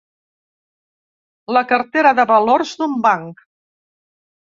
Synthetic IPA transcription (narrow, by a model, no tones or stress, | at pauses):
ləkəɾt̪eɾəðəβəloɾzd̪umbaŋk